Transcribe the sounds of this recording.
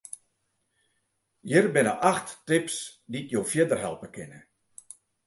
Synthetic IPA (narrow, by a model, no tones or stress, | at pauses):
jərbɪnəʔaxttɪpsditjowfjədərɦɛ̰lˠpəkʰɪnə